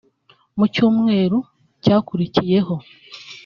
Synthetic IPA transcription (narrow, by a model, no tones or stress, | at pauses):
mucuːmŋe̞ːɾu | caːkuɾicije̞ɦo̞